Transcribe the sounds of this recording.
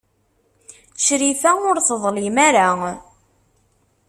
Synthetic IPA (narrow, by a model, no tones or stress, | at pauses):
ʃɾiθæʊɾθəðˤlɪmaɾa